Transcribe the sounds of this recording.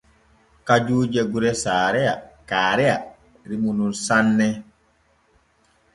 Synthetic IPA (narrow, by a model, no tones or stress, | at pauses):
kad͡ʒuːd͡ʒɛɡuɾɛsaːɾɛakaːɾɛja | ɾimununsanːɛ